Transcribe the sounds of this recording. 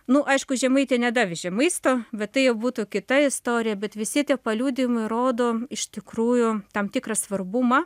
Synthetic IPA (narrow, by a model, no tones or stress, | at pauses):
nʊʔɐɪʃkʊʒʲɛmɐɪt̪ʲeːnʲɛd̪ɑːʋʲɪʒʲɛmɐɪst̪oːbʲɛt̪t̪ːɐɪjɛʊbuːt̪uːkʲɪt̪ɐɪst̪oːɾʲɪjɛbʲɛt̪ʋʲɪsʲɪt̪ʲiɛpɐlʲuːd̪ʲɪmɐɪɾoːd̪oːɪʃʲt̪ʲɪkruːjʊt̪ɐmt̪ʲɪkɾɐsʋɐrbʊmɐ